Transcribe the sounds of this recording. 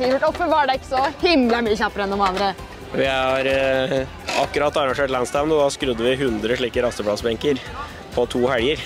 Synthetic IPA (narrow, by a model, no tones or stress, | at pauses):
iʋəʈɔpːəʋɑɖɛɪkːə̥sɔhɪmləmyːəçɑpːəɾɛnːɔmɑnd̪ɾə | ʋɪhɑɾ | ɑ̰kːʉɾɑt̪ːɑɾɑŋʂeːʈlænst̪ɛʋnɔd̪ɑskɾʉd̪ːəʋɪɦʉnd̪ɾəʂɭiːkəɾɑst̪əpʰɽɑsbɛŋkəɾ | pʰɔt̪ʰuːhæɽjəɾ